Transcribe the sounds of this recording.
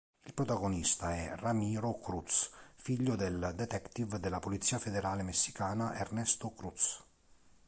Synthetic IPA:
ilpɾot̪aɡonist̪aɛramiːɾokɾut̪sfiʎːod̪eld̪et̪ɛkt̪ivd̪elːapolit̪sːiːafed̪eɾaːlemesːi̥kaːnaʔernɛst̪okɾut̪s

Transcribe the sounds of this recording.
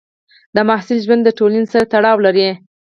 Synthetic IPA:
d̪əmɑhsɪlʒwand̪ːəʈolansaɾat̪aɽɑwlaɾi

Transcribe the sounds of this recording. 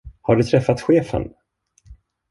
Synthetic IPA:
haɖɵt̪ʰɾɛfːat̪ɧeːfə̰n

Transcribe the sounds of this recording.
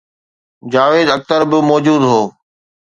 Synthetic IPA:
d͡ʑaːʋeːd̪ɐk̚t̪əɾbɪmɔːd͡ʑuːd̪ɦoː

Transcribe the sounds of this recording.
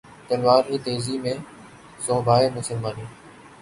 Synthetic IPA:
t̪ɐlʋaːɾɦiːt̪eːziːmẽː | sõːbʱaːeːmʊsəlmaːniː

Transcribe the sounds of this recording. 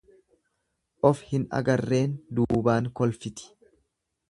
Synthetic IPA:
ʔɔfhɪnɐ̰ɡɐrːe̞ːnd̪uːbaːŋkɔlfɪt̪ɪ̥

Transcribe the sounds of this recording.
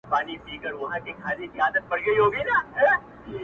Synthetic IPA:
paːnipiːkəɾʋɐɦãkekʰaːlikiaːd̪ət̪̚pɐɽɡɐiɦoːɡinaː

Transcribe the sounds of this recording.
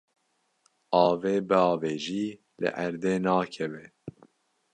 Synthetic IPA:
ɑːveːbəɑːveːʒiː | lɨ̰ʔæɾd̪eːnɑːkʰɛvɛ

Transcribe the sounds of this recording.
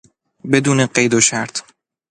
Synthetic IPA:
bed̪uːneɢejd̪oʃæɾt̪ʰ

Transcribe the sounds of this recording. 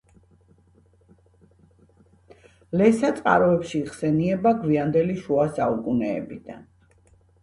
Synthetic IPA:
lɛsat̪sʼqʼa̰ɾɔɛpʃiːχsɛniɛbaɡwiand̪ɛliʃuasaukʼunɛ̰ːbid̪a̰n

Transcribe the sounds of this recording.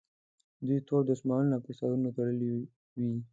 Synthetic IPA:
d̪ujt̪oɽd̪əsmɑɾəlnapesad̪unot̪aɽəli | wi

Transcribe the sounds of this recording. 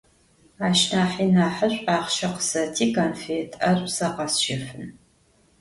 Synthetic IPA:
aːʃnaːħiːnaːħəɕʷʼaːχʃɐqə̥sɐtʰiːkʰɐnfeːtʰɐrʷʼsɐqɐsʃɪfɨn

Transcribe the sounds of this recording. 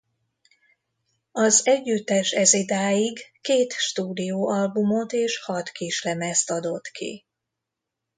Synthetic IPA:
ɒzɛɟːyt̪ːɛʃɛzid̪aːjiɡkeːt̪ʃt̪uːd̪ijoːʔɒlbumot̪eːʃhɒt̪kiʃlɛmɛst̪ɒd̪o̞t̪kḭ

